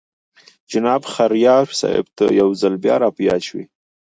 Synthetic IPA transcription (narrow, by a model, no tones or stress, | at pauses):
d͡ʒɪnɑbxaɾjɑɾsɑ̰ɪ̰bt̪a̰jawzalbjɑ̰ɾɑpjɑt͡ʃwḭ